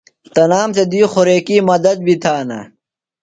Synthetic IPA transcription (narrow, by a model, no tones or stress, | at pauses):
t̪ɐnaːmt͡sed̪iːxoɾeːkiːmɐd̪ɐd̪̚bit̪ʰaːnɐ̰